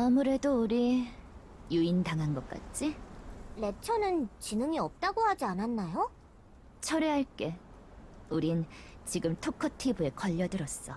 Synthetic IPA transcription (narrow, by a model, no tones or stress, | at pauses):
amuɾe̞douɾi | juintaŋɦanɡʌk͈̚a̰t͡ɕ͈ile̞t͡ɕʰʌnɯnt͡ɕinɯŋiʌp̚t͈aɡohad͡ʑiananːajo | t͡ɕʰʌɾeɦaɭk͈e̞ | uɾint͡ɕiɡɯmtʰokʰʌtʰibue̞kʌʎːʌdɯɾʌs͈ʌ